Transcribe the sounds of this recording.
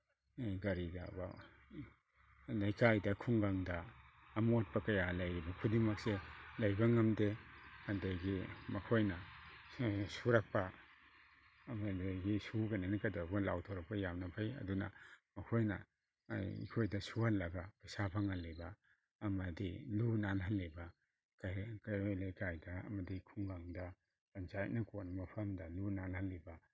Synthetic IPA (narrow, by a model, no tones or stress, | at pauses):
ɡɐɾida̰bɐ | lɐjkajdɐkʰuŋɡaŋdɐːmoat̚pɐkɐjalɐjɾibɐkʰudimɐkselɐjbɐŋɐmdekandaɡimɐkʰojnɐ | suɾɐk̚pɐ | mɐdajɡisuɡananɐkadaɡulawtʰoɾɐk̚pɐjamnɐpʰajɐ̰dunɐ̰mɐkʰojnɐ̰ | ḭkʰojdɐsuhalːabɐpɐsapʰaŋalːebɐː | mɐdilunanɦɐlːebɐ | kakajalajkajdɐɐ̰mɐdikʰuŋɡaŋdɐ | pɐnt͡ʃaj̰t̚nɐkotnmɐpʰɐmdɐlunanhɐlːibɐ